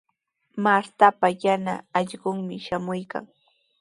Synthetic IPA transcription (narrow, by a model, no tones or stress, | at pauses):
maɾt̪apajanaːʎɢʊŋmɪʃamʊjka̰ŋ